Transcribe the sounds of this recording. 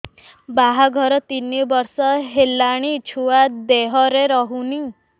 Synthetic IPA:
baɦaɡʱɔɾɔt̪inibɔɾsɔɦelaɽ̃it͡ʃʰuad̪eɦɔɾeɾɔɦuni

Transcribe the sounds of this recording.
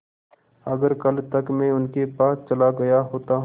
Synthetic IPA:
ɐɡəɾkɐlt̪ɐkmẽʊnkepaːst͡ʃɐlaɡɐjaɦoːt̪aɦ

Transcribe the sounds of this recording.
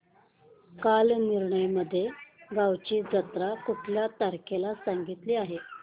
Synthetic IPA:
kalniɾɳəjməd̪ʱːjeɡawt͡ɕiːd͡zət̪ɾakuʈʰljat̪aɾkʰelasaŋɡit̪liːaɦe

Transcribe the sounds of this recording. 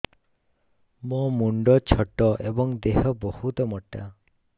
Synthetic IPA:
momuɳɖɔt͡ʃʰɔʈːɔʔebɔŋd̪eɦɔbɔhut̪ɔmɔʈːa

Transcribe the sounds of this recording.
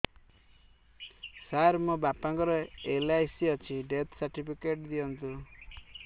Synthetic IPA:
saɾmubapaŋkɔɾɔelajsiɔt͡ʃʰiɖet̪ʰsaɾʈipʰikeʈd̪iɔnt̪u

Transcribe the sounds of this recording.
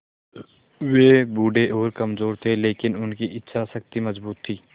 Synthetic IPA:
ʋeːbuːɖeʔoːɾkɐmzoːɾt̪ʰeleːkɪnʊnkiʔɪtːʃʰasɐkt̪imɐzbuːt̪ʰːiː

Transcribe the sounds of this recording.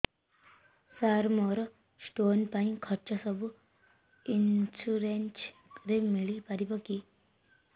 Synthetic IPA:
saɾmɔɾ | sʈonpaĩkʰəɾt͡ʃasəbu | insuɾent͡ʃ | ɾemiɭipaɾibəki

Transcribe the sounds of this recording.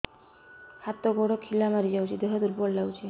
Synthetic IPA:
hat̪ɔɡɔɽɔkʰːilamaɾid͡ʒawt͡ʃʰid̪eɦɔd̪uɾbɔɽlawt͡ʃʰi

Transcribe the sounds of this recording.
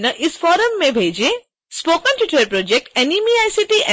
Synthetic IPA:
nəʔisfɔːɾəmːẽbʱeːd͡ʒe | spoːkə̃nʈjuʈəɾpɾoːd͡ʒek̚ʈenimiajsiʈiʔɛ

